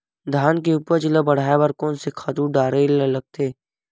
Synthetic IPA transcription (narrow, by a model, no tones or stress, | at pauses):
d̪ʱaːnk̬eupəɾd͡ʒɪləbɐɽ̤aːjebɐɾkɔːnsekʰat̪uɖaːɾelɐləɡ̚t̪ʰeː